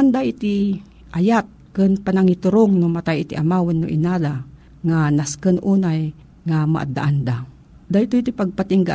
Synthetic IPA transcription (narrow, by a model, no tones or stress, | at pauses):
and̪aʔɪt̪ɪ | ʔajat̪̚kɨnpanaŋɪt̪ʊɾoŋnʊmat̪ajɪt̪iʔamaːwɪnːʊ̰ʔɪnaːla | ŋanaskənʔuːnaj | ŋama̰ʔa̰d̪a̰ʔand̪a | d̪ajt̪ʊit̪ipaɡ̚pat̪ɪŋɡa̰